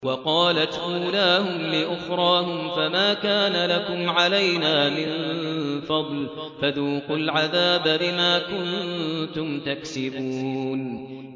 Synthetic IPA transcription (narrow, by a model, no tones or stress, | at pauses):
wɑqɑːlat̪ʔuːlaːhʊmlɪʔʊxɾˤɑːhʊmfamaːkaːnalakʊmʕalajnaːmɪnfɑd̪ˤl | faðuːqʊlʕaðaːbabɪmaːkʊnt̪ʊmt̪aksɪbuːn